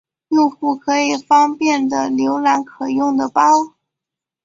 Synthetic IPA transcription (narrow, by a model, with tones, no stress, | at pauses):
o˥˧ʊxu˥˩kʰɤ˧˥i˨˩fɑ˥ŋpjɛ˥˩nd̪ə˩ljo˧˥ʊla˧˥nkʰɤ˨˩jʊ˥˩ŋd̪ə˩pɑ˥ʊ